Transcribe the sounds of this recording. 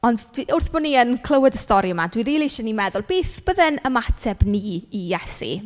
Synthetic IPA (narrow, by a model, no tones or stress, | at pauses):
ɔnddiʔʊrθb̥ɔniənkʰlˠəwədəstɔɾjʊmadwiɾiːlˠiʃɔnimɛðʊlˠb̥eːθb̥əðɛnəmatʰɛbniːjɛsḭ